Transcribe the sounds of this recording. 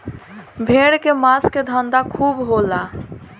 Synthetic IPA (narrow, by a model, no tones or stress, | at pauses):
bʱeɽkemasked̪ʱə̃nd̪akʰubɦola